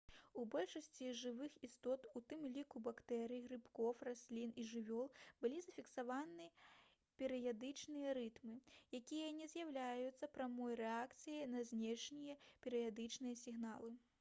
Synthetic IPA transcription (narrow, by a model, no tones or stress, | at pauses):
ubɔlʲʂɐsʲt͡sʲiʐɨvɨxist̪ɔt̪ut̪ɨmlʲikubakt̪ɛɾɨjiɣɾɨpkɔfrasʲlʲiniʐɨvʲɔlˠbɨlʲizɐfʲiksavanɨ | pʲɛɾɨjad̪ɨt͡ʂnɨjɐɾɨt̪mɨjakʲijɐnʲɛzʲjawlʲajut̪sːɐpɾamɔjrɛakt̪sɨjɐnɐzʲnʲɛʂnʲijɐpʲɛɾɨjad̪ɨt͡ʂnɨjɐsʲiɣnalˠɨ